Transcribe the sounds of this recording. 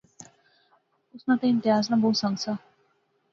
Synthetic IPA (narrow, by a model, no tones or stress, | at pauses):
ʊsnat̪eɪ̃nt̪ɪɦaːs̬nabʱoɦut̪sə̃ŋɡsa